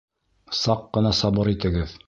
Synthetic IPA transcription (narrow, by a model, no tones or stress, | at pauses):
sɑqːɤ̆nɑsɑbɤɾit̪ɘ̆ɡɘð